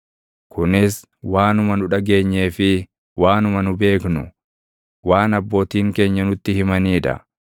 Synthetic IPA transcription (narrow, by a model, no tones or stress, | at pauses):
kʰʊnɪs | waːnʊmɐnʊᶑɐɡe̞ːɲːe̞ːfɪ | waːnʊmɐnʊbe̞ːknʊ | waːnɐbːo̞ːt̪iːŋke̞ːɲːɐnʊt̪ːɪhɪmɐniːᶑɐ̰